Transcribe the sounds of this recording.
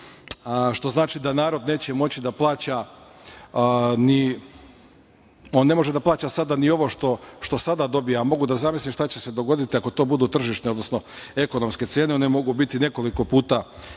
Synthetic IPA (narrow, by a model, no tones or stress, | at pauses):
ʃt̪o̞znaːt͡ʃid̪anaːɾo̞d̪neːt͡ɕe̞mo̞t͡ɕid̪aplˠaːt͡ɕa | ni | onːe̞mo̞ʒed̪aplaːt͡ɕasad̪anio̞ʋo̞ʃt̪o̞ʃt̪o̞sad̪ad̪o̞bijamo̞ɡud̪azamislimʃt̪at͡ɕese̞d̪o̞ɡo̞d̪it̪iako̞t̪o̞ːbud̪uːt̪r̩ʒiʃt̪neod̪no̞sno̞e̞ko̞nomske̞t̪se̞ːne̞o̞ne̞mo̞ɡubit̪ine̞ko̞liko̞puːt̪a